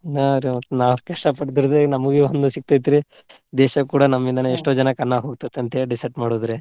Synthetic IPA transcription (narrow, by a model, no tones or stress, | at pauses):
aɾemɐt̪ːunaːʋukɛʂʈɐpɐʈd̪iɾd̪enɐmɐɡeond̪usik̚t̪ajt̪iɾi | d̪eːʃɐkuːɽɐnɐmːind̪ɐneeʂʈoːd͡ʒɐnɐkɐnːaɦoːɡ̚t̪it̪ːɐnt̪eɖisɐɖmaːɽoːd̪ɾe